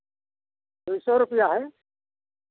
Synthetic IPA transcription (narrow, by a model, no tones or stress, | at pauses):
d̪ujsɔɾʊpijaɦɛ